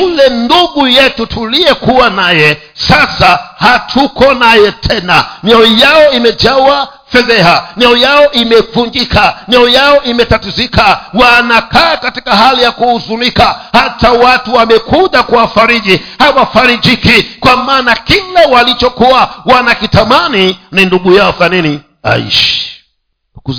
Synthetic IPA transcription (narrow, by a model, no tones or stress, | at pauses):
ulɛnduɠujɛtutʰuliɛkuwanajɛ | sasahatʰukɔnajɛtʰɛnanɛɔjaɔimɛd͡ʒawa | fɛðɛɦanɛɔjaɔʔimɛvuɲd͡ʒikanɛɔjaɔʔimɛtatizikawanakaːkatikaɦalijakuuzunikahatawatuwamɛkuʄakuwafaɾiʄihawafaɾiʄikikwamaːnakilawalit͡ʃɔkuawanakitamanininduɠujaɔfanini | a̰ḭʃi̥ | kku